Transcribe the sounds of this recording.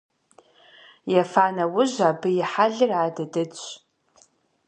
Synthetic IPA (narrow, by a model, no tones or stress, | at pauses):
jafaːnɐwʊʒʷaːbɨjɪħaɮɨraːdɨdɨt͡ɕʷ